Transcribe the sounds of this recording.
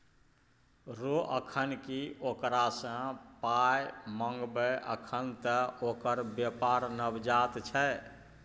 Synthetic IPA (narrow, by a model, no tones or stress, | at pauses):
ɾoʔəkʰənkiokɾasə̃pajmə̃ŋɡbəʔə̰kʰənt̪əokəɾbjəpaɾnəbd͡ʒat̪t͡ʃʰɛ